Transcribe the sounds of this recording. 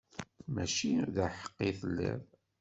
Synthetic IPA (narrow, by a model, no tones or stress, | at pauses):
mæʃiðæħə̥qːiθəlːæ̰ð